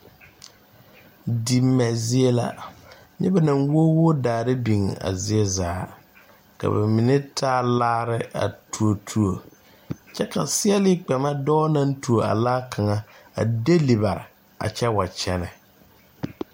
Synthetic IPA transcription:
di˨mːɛ˨zi˦e˦la̰˦ | nɛ̰˦ba˨na˨ŋwo˦wʊ˦daː˨ɾɪ˦bi˨ŋ˨a̰˨zɪ˦ɛ˦zaː˨˦ | ka̰˨ba̰˨mi˨nɪ˦tʰaː˦laː˦ɾɪ˦a̰˨tu˨o˨tʰu˦o˨ | t͡ʃɛ˦ka˨sɪ˦ɛ˦lɪ˦k͡pɛ˨ma˦dɔː˦na˦n˦tu˨o˨a̰˨laː˦kʰa˨ŋa˨a̰˨de˦li˨βa˨ɾɪ̰˨ | a̰˨t͡ʃɛ˦wa˨t͡ʃɛ˦nɛ˨

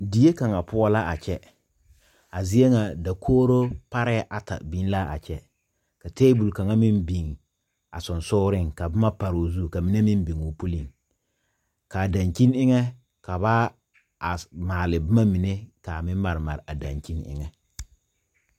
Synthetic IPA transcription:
di˨je˦ka˨ŋa˨pʊ˦ɔ˦la˦ʔa˨t͡ʃɛ˦ | a˨zɪ˦e˦ŋa˨da˨kʰoː˦ɾo˦pa˦ɾɛ˦ʔa˨ta̰˨bi˦n˦la˦a̰˨t͡ʃɛ˦ | ka˨teː˦bu˨lka˨ŋa˦mɪ˦mbi˨ŋ | a̰˨sʊ˨nsʊː˦ɾɪ˦˨ŋka˨bʊ˦ma˦pa˨ɾo˨zu˦˨ka˨mi˦ne˦mɪ˦mbi˨ŋo˨pu˦lɪ˨ŋ | ka˨da˨ŋki˦nɪ˦ŋɛ˦ | ka˨βa˦ | a˨maː˨lɪ˨bɪ˦ma˦mɪ˨ne˦ka˨mɪ˦m˦ma˨ɾɪ˨ma̰˨ɾa˨da̰˨ŋki˦nɪ̰˦ŋɛ˦

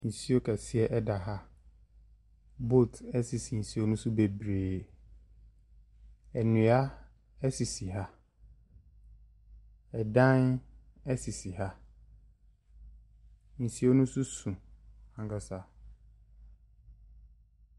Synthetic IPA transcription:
n̩˨si˦o˦kʰɛ˨sɪ˦ɛ˦ʔɛ˦da˨ɦa˦ | bo˦˨tɛ˦si˨si˨n̩˨si˦o˦nʊ̃˦su˦be˨bɾeː˨ | ɛ˨nũ˨a˦ | ɛ˦si˨si˨ɦa˦ | ɛ˨dã˦n | ɛ˦si˨si˨ɦa˦ | n̩˨si˦o˦nʊ̃˦su˦sũ˨ã˨ka˨sa˨

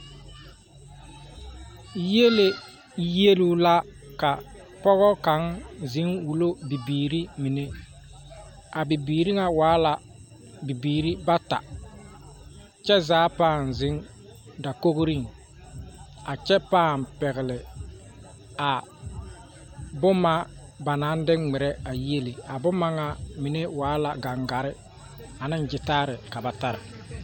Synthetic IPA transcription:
je˦le˨˦ | je˦lu˦la˦ | ka˨ | pɔ˦ɣɔ˦ka˨ŋzɪ˨˦ŋwu˨lo˦bi˨biː˨ɾi˦mi˨ne˦ | a˨bi˨biː˨ɾi˦ŋa˨waː˨˦la˨ | bi˨biː˨ɾi˦ba˦ta̰˨ | t͡ʃɛ˦zaː˨˦paː˦˨n˨zɪ˦ŋ | da˨ko˦ɣɾi˦˨ŋ | a˨t͡ʃɛ˦paː˦˨mpɛ˨ɣɪ˨lɪ˨ | a˨ | bʊ˦ma˦ba˨na˨˦n˦dɪ˦ŋŋ͡mɪ˨ɾɛ˦a˨je˦li˨a˨bʊ˦ma˦ŋa˨mɪ˨ne˦waː˨˦la˨ɡa˨ŋɡa˨ɾɪ˦ | a˨nɪ˦nd͡ʒɪ˨taː˦ɾɪ˨ka˨ba˨ta˦ɾa˨

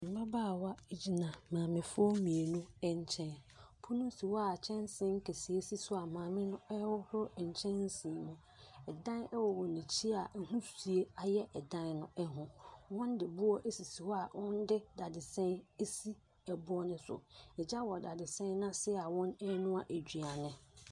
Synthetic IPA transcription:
m̩˨ba˦baː˦˨wa˦e˦d͡ʑi˦nã˨mãː˨mɪ̃˨fʊ˦ɔ˦mĩ˨e˨nʊ̃˦ɛ˦ɲ˦t͡ɕʰɛ̃˦n | pʰʊ˦nʊ̃˦si˨wɔ˦a˦˨t͡ɕʰɛ̃˦nsɪ̃˦ŋ̩˦kʰe˨si˨e˦si˦sʊ˦a˨mãː˨mɪ̃˦nʊ̃˦ɛ˦wɔ˦hʊ˦ɾʊ˦˨ɲ̩˨t͡ɕʰɛ̃˦nn˦sĩ˨mʊ̃˨ | ɛ˨dã˦nɛ˦wɔ˨wɔ˨nĩ˨t͡ɕʰi˦a˨ɛ˨ɦũ˦si˨e˦a˨jɛ˦ʔɛ˨dã˦nnʊ̃˦ɛ˦ɦʊ̃˨wɔ̃˦ndɪ˨bʊ˦ɔ˦ʔe˦si˨si˨wɔ˦a˨wɔ̃˦n˦dɪ˦da˨dɪ˨sɛ̃˦ne˦si˦ | ɛ˨bʊ˦ɔ˦nʊ̃˦sʊ̰˨ɛ˨d͡ʑa˦wɔ˨da˨dɪ˨sɛ̃˦nã˦sɪ˦a˨wɔ̃˦nɛ˦nʊ̃˦a˨ʔe˨d͡ʑᶣi˨a˨nɪ̃˦

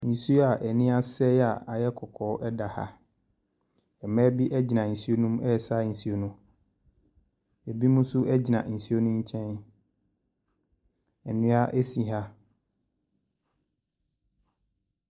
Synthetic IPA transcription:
n̩˨si˦o˦a˨ʔɛ˨nĩ˦a˦sɛ˦a˨a˨jɛ˦kʰɔ˨kʰɔː˦ʔɛ˦da˨ha̰˦ | ɛ˨mɛ̃˦bi˦ʔɛ˦d͡ʑi˨nã˨n̩˨si˦o˦nũ˦mɛ˦˨sa˦n̩˨si˦o˨nʊ̃˦ | ɛ˨bi˦mũ˦sʊ˦ʔɛ˦d͡ʑi˨nã̰˨n̩˨si˦o˦nʊ̃˦ɲ̩˦t͡ɕʰɛ̃˦n | ɛ˨nʊ̃˦a˦ʔɛ˦sĩ˨ɦa˦

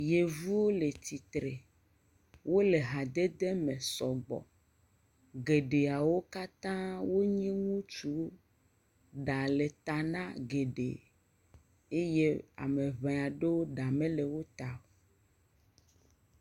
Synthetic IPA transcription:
je˨vu˦wo˦le˨t̪i˨t̪ɾe˨ | wo˦le˨ɦa˨d̪e˦d̪e˦mẽ˨sɔ˨ɡ͡bɔ̰˨ | ɡe˨ɖe˨a˨wo˦ka˦t̪ã˦wo˦ɲĩ˦ŋũ˦t͡ʃu˦ | ɖa˨le˨t̪a˨nã˦ɡe˨ɖḛ˨ | e˦je˦a̰˨mẽ˨vẽ˨a˨ɖe˦wo˦ɖa˨mẽ˦le˨wo˦t̪a˨o˨

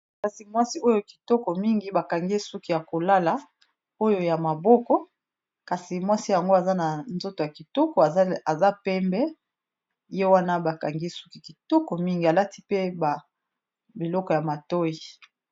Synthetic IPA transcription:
ka˨si˨mwa˦si˦ʔo˦jo˦ki̥˨tɔ˦kɔ˨mi˦ŋɡi˨ba˨ka˨ŋɡi˦su˦ki˦ja˨ko˨la˦la˨ | o˦jo˨ja˨ma˨bɔ˦kɔ˦ | ka˨si˨mwa˦si˦ja˨ŋɡo˦a˨za˦na˨nzo˦to˨ja˨ki˨tɔ˦kɔ˨˦a˨za˦pɛ˦mbɛ˦ | je˦wa˦na˦ba˨ka˨ŋɡi˦su̥˦ki˨ki˨tɔ˦kɔ˨mi˦ŋɡi˨a˨la˦ti̥˦pe˦ba˨ | bi˨lɔ˦kɔ˨ja˨ma˨tɔ˦ji˨

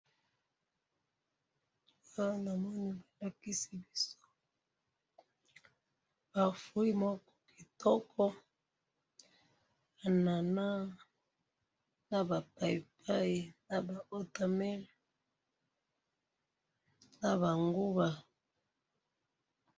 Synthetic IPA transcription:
a˦na˨mɔ˦ni˦ba˨la˦ki˦si˦bi˦so˦ | b̥a˨fu˨i˦mɔ˦kɔ˦ki˨tʰɔ˦kʰɔ˦ | a˨na˨na˦ | na˨ba˨pa˨i˨pʰa˦i˨na˨ba˨o˦ta˨mɛ˦l | na˨βa˨ŋɡu˦ba˨

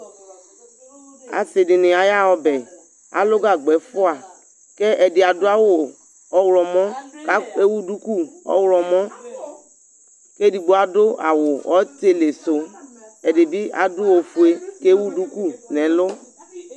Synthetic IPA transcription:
a̰˨sɪ˨dɪ˨nɪ˨a˨ja˦ɔ˦bɛ˨ | a̰˨lʊ˦ɡa˦˨ɡ͡bɛ˨fʊ˦a˨ | kɛ˦ʔɛ˨dɪ˨a˨dʊ˦a˦wʊ˨ | ɔ˨wlɔ˨mɔ̃˦ka˦e˦wu˦du˦ku˦ɔ̰˦wlɔ˨mɔ̃˦ | ke˦di˨ɡ͡bo˦a˨dʊ˦a˨wʊ˨ɔ˨˦te˨le˨so˨˦ɛ˨dɪ˨bi˦a̰˨dʊ˦o˨fu˨e˦ke˦wu˦du˦ku˦˨nɛ˨˦lʊ˦

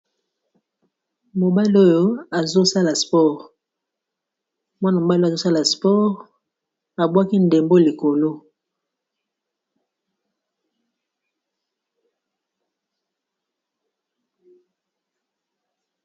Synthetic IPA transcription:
mo˨ba˦li˦o˦jo˦a˨zo˦sa˦la˨spɔ˦ʁ | mwa˦na˨mo˨ba˦li˦a˨zo˦sa˦la˨spɔ˦ʁ | a˨bwa˦ki˦nde˨mbo˦li˨ko˨lo˦

